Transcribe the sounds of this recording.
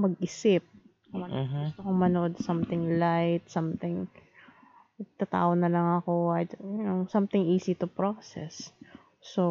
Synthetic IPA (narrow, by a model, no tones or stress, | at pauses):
mɐɡʔɪsɪp̚ | ɐmɐʊst̪okoŋmɐnoʔod̪sɐmt̪ɪŋlajt̪̚sɐmt̪ɪŋ | ɐɡ̚t̪at̪a̰ːʔonɐlɐŋɐko̞ʔɐnoŋsɐmt̪ɪŋʔiːsit̪ʊpɹosɛ̰sː | o